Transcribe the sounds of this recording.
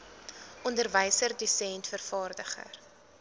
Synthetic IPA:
ɔndərvəjsərdysɛntfərfɑːrdəχə̰r

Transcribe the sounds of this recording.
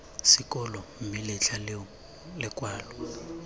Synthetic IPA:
sɪkʼɔlɔm̩mɪlɪt͡ɬʰal | lɪkʼwaːlɔ

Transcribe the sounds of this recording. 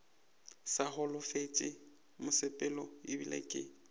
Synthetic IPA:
sahʊlʊfet͡ʃʼɪ | mʊsɪpʼɛlɔɪbilḛkʼɪ̰

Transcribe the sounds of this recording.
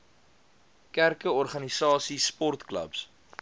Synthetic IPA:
kærkəɔrχɐnisɑːsispɔrt̪klə̰ps

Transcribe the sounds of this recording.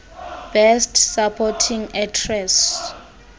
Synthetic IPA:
b̥ɛstsapʰɔtʰiŋɛtʰrɛs

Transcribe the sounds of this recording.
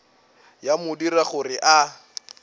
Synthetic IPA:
jamʊdiraχʊrɪʔa

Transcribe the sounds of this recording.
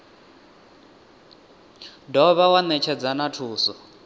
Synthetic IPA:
dɔβawanɛt͡ʃʰɛd͡zanatʰuːsɔ

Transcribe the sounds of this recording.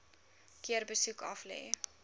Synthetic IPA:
kiərbəsukʰɐflɛ̰ː

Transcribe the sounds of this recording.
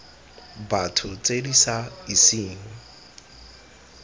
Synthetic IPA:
batʰʊt͡sʼedisaisiːŋ̩

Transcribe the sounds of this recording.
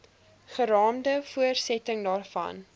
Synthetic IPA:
χəɾɑːmdəfuərsɛtəŋdɑːrfɐ̰n

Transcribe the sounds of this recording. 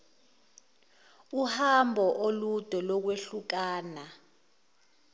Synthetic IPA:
uhambʱɔʔolud̥ʱɔlɔk̬weɬuk̬aːna

